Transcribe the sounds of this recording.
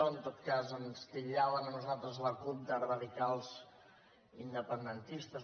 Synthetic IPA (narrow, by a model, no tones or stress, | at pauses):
ənt̪ot̪kazənst̪iʎaβənənuzalˠt̪ɾəzləkup̚d̪ərəðikalˠz | ind̪əpənd̪ənt̪ist̪ə